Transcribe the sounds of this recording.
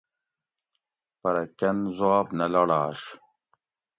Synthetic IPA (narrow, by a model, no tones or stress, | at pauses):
pɐɾɐkɐnzaːpnɐlɐɽaːʂ